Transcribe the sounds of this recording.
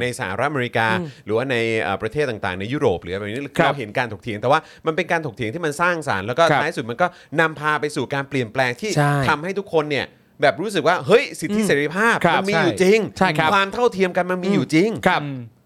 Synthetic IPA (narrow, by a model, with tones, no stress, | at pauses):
na˧jsa˧˩a̰˧ɾa˦˥ʔme˧ɾi˦˥kaː˧ɾɯː˩˦waː˥˩na˧jʔə̰ː˨˩pɾa˧eː˥˩t̪ːa˨˩ŋt̪aː˨˩ŋna˧jːuː˥˩ɾoː˨˩p̚ɾɯː˨˦˨ni˦˥˧kʰɾa˧wɦe˩˦nkaː˧nt̪ʰo˨˩k̪̚ʰi˩˦ŋt̪ɛ˨˩waː˥˩ | ma˧npe˧nkaː˧t̪ʰo˨˩t̪i˨˩˦t̪ʰiː˥˩ma˧nsaː˥˩ŋsa̰ː˩˦nlɛː˦˥wkɔː˥t̪ʰa˦˥˩su˨˩t̪̚ma˧nkɔː˥˩na˧mpʰaː˧pa˧jsuː˨˩kaː˧npli˨˩ənplɛː˧ŋt̪ʰiː˥˩t͡ɕʰa˥˩tʰa˧mha˥˩jt̪ʰu˦˥kʰːo˧nːi˥˩ə | bɛː˨˩p̚ɾuː˦˥s̬ɯ˨˩k̚waː˥˩ɦɤ˦˥jsi˨˩t̪ʰːi˦˥seː˩˦ɾi˧pʰaː˥˩p̚ʰa˧miː˧˥juː˨t͡ɕi˧ŋt͡ɕʰa˥˩˥kwaː˧mt̪ʰa˥˩wt̪ʰi˧əmka˧nma˧nmiː˧juː˨˩t͡ɕi˧ŋkʰa˦˥˩